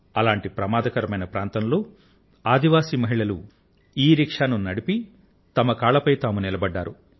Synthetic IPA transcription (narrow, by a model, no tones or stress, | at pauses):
ɐlaːɳʈipɾɐmaːd̪ɐkɐɾɐmɐjnɐpɾaːnt̪ɐmlo̞ː | aːd̪iʋaːsimɐɦiɭɐlu | iːɾikʂaːnunɐɽipi | t̪ɐmɐkaːɭɐpɐjt̪aːmunilɐbɐɖːaːɾu